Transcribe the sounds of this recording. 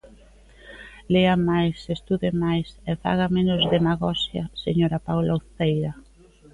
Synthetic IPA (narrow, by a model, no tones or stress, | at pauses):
leamajsest̪uðemajsefa̰ɣ̞amenʊzðemaɣɔsjɐ̰seɲoɾapawlaoθejɾɐ